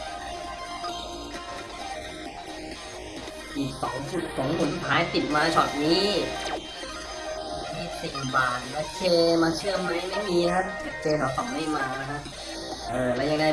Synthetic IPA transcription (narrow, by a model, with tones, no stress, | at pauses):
ʔiː˨˩k̚sɔ˨˩˦su˨˩t̪̚kʰɔː˨˦ŋmu˨˩˦nsu˨˩t̪ʰːaː˦˥jt̪i˨˩t̪̚maː˧t͡ɕʰɔ̰ː˨˩t̪̚niː˦˥˧ | hi˦˥˩se˨˩˨baː˨˩n̚maː˧˥t͡ɕʰeː˧maː˧t͡ɕʰɯ˥˩əma˦˥jna˥˩miː˧a˦˥˨t͡ɕʰeː˧ɦʰa˨˦sa˨˩˦ma˦˥˩maː˧˥ | ʔɤː˨˩lɛː˦˥˩ja˧ŋa˧